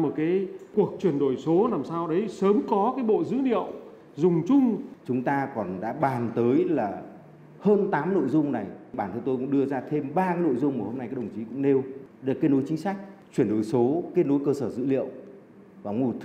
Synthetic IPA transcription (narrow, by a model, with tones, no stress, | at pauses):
mo˨˩kaː˨˦jku˨˩ək̚t͡ɕwi˧˨˩ənɗo˨˩jso˨˦naː˨˩msaː˧wɗə˨˦jsəː˨˦mkɔ˨˦kaː˨˦jɓo̰˧˨zɨ̰˧˥lḭ˧˨əw | zʊ˨˩ŋ͡mt͡ɕʊ˧ŋ͡mt͡ɕʊ˨˦ŋ͡mt̪aː˧kɔ˨˩nɗa̰ː˧˥ɓaː˨˩nt̪əː˨˦jlaː˨˩ | həː˧nt̪aː˨˦mno̰˧˨jzʊ˧ŋ͡mna˨˩jɓaː˧˩nt̪ʰə˧t̪o˧jkʊ̰˧˥ɗɨ˧əzaː˧t̪ʰe˧mɓaː˧kaː˨˦no̰˧˨jzʊ˧ŋ͡mmoː˨˩ho˧mna˧jaː˦˥ɗə˨˩˨t͡ɕi˨˦kʊ̰˧˥ŋ͡mɗe˧wɗke˦˥n̚ɗo˨˦jt͡ɕï˨˦ŋ̟sa˦˥jk̟̚t͡ɕwi˧˩ənɗo˨˩jso˨˦ke˦˥t̚nɗo˨˦jkəː˧səː˧˩zɨ̰˧˥lḭ˧˨əw | kɔ˨˩wŋu˨˩t̪ʰ